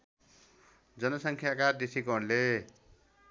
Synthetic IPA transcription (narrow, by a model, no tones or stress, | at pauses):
d͡zʌnʌsʌŋkʰjakad̪esikʌɾle